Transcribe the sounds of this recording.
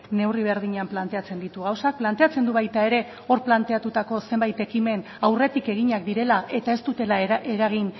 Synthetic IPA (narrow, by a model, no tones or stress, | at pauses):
ne̞wriβ̞e̞ɾðiɲamplant̪e̞at͡se̞nd̪it̪uɣ̞awsak̚plant̪e̞at͡se̞nd̪uβajt̪ae̞ɾe̞ | o̞ɾplant̪e̞at̪ut̪ako̞se̞mbajt̪e̞kime̞n | awre̞t̪ike̞ɣiɲak̚d̪iɾe̞laʔe̞t̪ae̞st̪ut̪e̞laʔe̞ɾaɣ̞in